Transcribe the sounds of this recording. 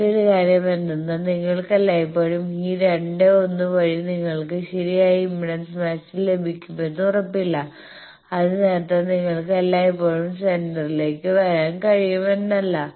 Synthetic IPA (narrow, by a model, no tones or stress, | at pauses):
oɾukaːɾjɐmenːunːɐniŋːɐɭkɐlːaːjpːo̞ːɻumiːɾeɳɖeo̞nːuʋɐɻiniŋːɐɭkɨɕɐɾijaːjiimːiɽɐnsmɐːsille̞bʱikʲːumenːurɐpːilːɐ | ɐðɨne̞ːɾɐt̪ːamniŋːɐɭkɨɐlːaːjɐpːo̞ːɻumsendɐrile̞ːkːɨʋɐɾaːnkɐɻijumenːɐlːɐ